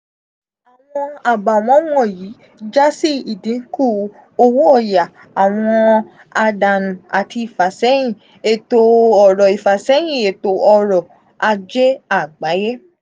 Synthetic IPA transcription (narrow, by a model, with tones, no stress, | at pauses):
a˨w̃ɔ̃˧a˨ba˨w̃ɔ̃˨˦wɔ̃˦˨jiː˨˦ | d͡ʒa˦si˦i˦˨dĩ˨˦ku˦˨ | o˧wu˦ɔ˦˨ja˨ | a˨w̃ɔ̃˧ | a˧da˨nũ˨a˨tʰi˧i˨fa˨sɛ˨˦j̃ĩ˦˨ | e˨to˧ɔ˨ɾɔ˨i˨fa˨sɛ˨˦j̃ĩ˨e˨to˨˦ɔ˧˨ɾɔ˨ | a˧d͡ʒe˦a˦˨ɡ͡ba˨˦je˦